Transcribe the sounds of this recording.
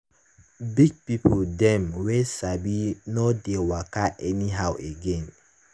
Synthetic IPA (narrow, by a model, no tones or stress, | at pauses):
biɡ̚pipoldɛmwesabinodewakaʔɛniɦawʔeɡen